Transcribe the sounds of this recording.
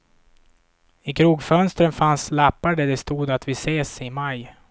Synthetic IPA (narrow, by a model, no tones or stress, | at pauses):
ɪkʰɾuːɡfœnst̪ɾənfanslapːaɖɛɖ̪ɛst̪uːd̪at̪vɪseːsɪmaj